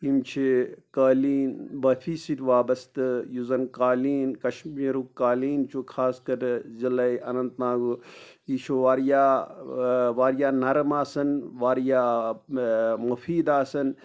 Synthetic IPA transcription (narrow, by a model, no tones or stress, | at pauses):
imt͡ʃʰikaːliːnbɐfʰiːsiɾʋaːbɐst̪ɨjuzɐnkaːliːnkɐʃmiːɾukaːliːnt͡ʃʰukʰaːskɐɾzilɐjɐnɐnt̪ːãːɡuiːʃʰoʋaːɾjaː | ʋaːɾjaːnɐɾmaːsɐnʋaːɾjaː | mɐfiːd̪aːsɐn